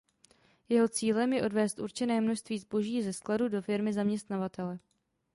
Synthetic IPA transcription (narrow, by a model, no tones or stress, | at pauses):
jɛɦo̞t͡siːlɛmjɛʔo̞dvɛːst̪ʔuɾt͡ʃɛnɛːmno̞ʃst̪viːzbo̞ʒiːzɛskladudo̞fɪɾmɪzamɲɛst̪navat̪ɛlɛ